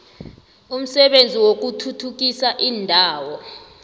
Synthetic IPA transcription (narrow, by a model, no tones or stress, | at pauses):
um̩sɛɓend͡zʱiwok̬utʰutʰuk̬isaʔiːndʱaːwɔ